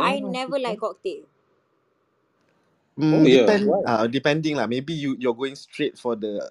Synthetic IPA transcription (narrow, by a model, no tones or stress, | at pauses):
ajnɛvəlaɪkɔk̚t̪e | mipɛ̃nadipɛ̃ndĩŋlamebijujuaɡoĩŋstɹet̚fɔdə